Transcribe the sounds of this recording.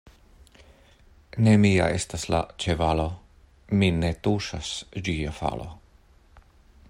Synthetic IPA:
nemia̰est̪asla̰t͡ʃevalo | minet̪uʃasd͡ʒiafa̰lo̰

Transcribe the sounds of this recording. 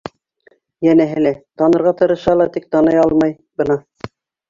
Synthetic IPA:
jænæɦɘlæt̪ɑnɤ̆ɾʁɑt̪ɤ̆ɾɤ̆ʃɑlˠɑt̪ik̚t̪ɑnɤjɑlˠmɑj | bɤ̆nɑ

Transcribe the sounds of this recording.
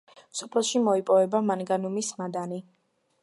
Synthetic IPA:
msɔ̥pʰlɛʃimɔipʼɔvɛbamanɡanumismad̪ani

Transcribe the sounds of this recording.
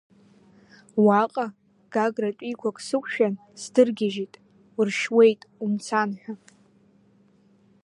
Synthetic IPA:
waqʼa | ɡ̥aɡratʼikʷʰakʼsɨkʷʰʼʃᶣan | sdɨrɡʲaʒitʼ | rʃwe̞jtʼumt͡sʰanħʷᶣa

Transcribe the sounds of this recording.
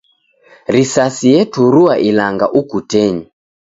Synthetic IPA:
ɾisasijɛtʰuɾuaʔilaŋɡaʔukutɛɲi

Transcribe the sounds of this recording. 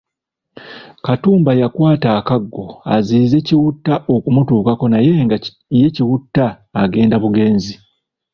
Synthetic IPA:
katuːmbajakwaːtaːkaɡːo̞a̰ziːze̞ciwutːaʔo̞kumutuːkako̞naje̞ɡ | je̞ciwutːaː | ɡe̞ːndaβuɡe̞ːnzi

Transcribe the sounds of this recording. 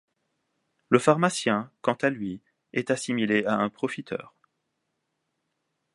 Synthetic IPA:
ləfaʁmasjɛ̃kɑ̃t̪alɥi | ɛt̪asimileaɛ̃pχɔfit̪ʰœ̰ːʁ

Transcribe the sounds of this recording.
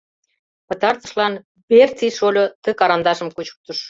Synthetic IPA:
pə̆t̪ɑrt̪ə̆ʃlɑn | bert͡siʃolʲot̪ə̆kɑɾɑnd̪ɑʃəmkut͡ɕu̥k̚t̪əʃ

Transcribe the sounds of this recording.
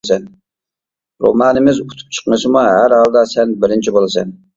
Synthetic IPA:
sɛn | ɾo̰mɑːnɪmɪzut̪ʰu̥p̚t͡ʃʰə̥qmɨʃɪmuɦæɾhɑlˠd̪ɑsɛnbɪɾɪnt͡ʃʰibolˠɨsɛ̰n

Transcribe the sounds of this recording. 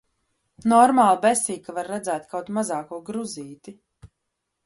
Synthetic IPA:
nɔɾmaːlˠbɛsiːkavaɾːɛd̪zæːt̪kawt̪mazaːkuɔɡɾuziːt̪i

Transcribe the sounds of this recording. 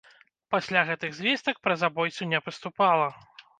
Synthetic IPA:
pasʲlʲaɣɛt̪ɨɣzʲvʲest̪ɐk̚pɾɐzabɔjt̪sunʲɛpɨst̪upalˠɐ

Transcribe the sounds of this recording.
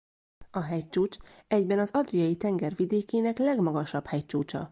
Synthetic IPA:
ɒɦɛct͡ʃuːt͡ʃɛɟbɛnɒzɒd̪rijɒjit̪ɛŋɡɛrvid̪eːkeːnɛklɛɡmɒɡɒʃɒphɛct͡ʃuːt͡ʃɒ̰

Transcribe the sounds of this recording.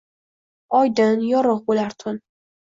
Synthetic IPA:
ɒjd̪ɪnjɒɾɤqbolaɾt̪ʰʊn

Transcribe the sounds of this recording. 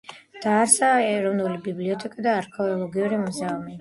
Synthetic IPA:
d̪̥aːɾsaːɛɾɔvnulibibliɔt̪ʰɛkʼad̪aːɾkʰɛɔlˠɔɡiuɾimɔzaumi

